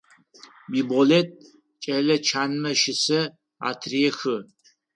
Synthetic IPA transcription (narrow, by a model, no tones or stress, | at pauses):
biboletʼ | t͡ʃʼɐlɐt͡ʃʰaːnmɐʃɪsɐ | a̰ːtʰriexɨ